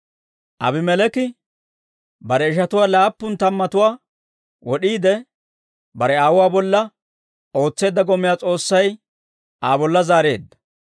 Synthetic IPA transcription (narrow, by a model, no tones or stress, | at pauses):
ʔɐ̰bɪmɛlɛkɪ | bɐɾɛɪʃ̬ɐt̪ʊwaːlaːpːʊnt̪ɐmːɐt̪ʊwaː | wɔɗiːd̪ɛ | bɐɾɛaːwʊwaːbɔlːɐ | o̞ːt͡sːe̞ːd̪ːɐɡɔmɪjaːt͡sʼo̞ːsːɐj | ʔaːbɔlːɐzaːɾe̞̰ːd̪ːɐ̥